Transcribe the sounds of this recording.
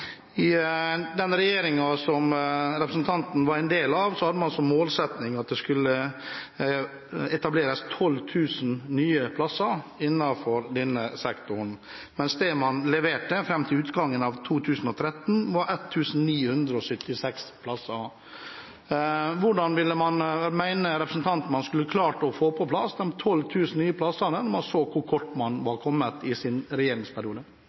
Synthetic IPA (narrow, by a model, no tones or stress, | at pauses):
ɪd̪ɛnɾɛjeːɾɪŋɑsɔmɾɛpɾəsn̩t̪ʰɑnt̪n̩ʋɑɾɛɪnd̪eːlɑʋsɔhɑd̪əmɑnsɔmmoːlsɛt̪nɪŋɑt̪̚d̪ɛskʉlːə | ɛt̪ɑbleːɾəst̪ʰɔlːt̪ʰʉːsn̩nyːəpʰlɑsɑɪnːɑfɔɾd̪ɛnːəsɛkt̪ʊɳ̩ | mɛnsd̪emɑnlɛʋeːʈəfɾɛmːt̪ʰɪlʉːt̪ɡɑŋːənɑʋt̪ʰuːt̪ʰʉːsn̩ɔt̪ʰɾɛt̪ːn̩ʋɑɾɛt̪ʰːʉːsn̩niːhʉnd̪ɾəɔsʏt̪ːɪsɛkspʰlɑsːə | ʋʊɖɑnʋɪlːəmɑnmæɪnəɾɛpɾəsn̩t̪ʰɑnt̪n̩mɑnskʉlːəkʰlɑːʈɔfoːpʰɔpʰlɑsd̪ɛmt̪ʰɔlt̪ʰʉːsn̩nyːəplɑsənənɔmɑnsoːkʰʊɾkʰɔʈːmɑnʋɑɾkʰɔmːət̪ɪsɪnɾɛjeːɾɪŋspʰæɾɪuːd̪ə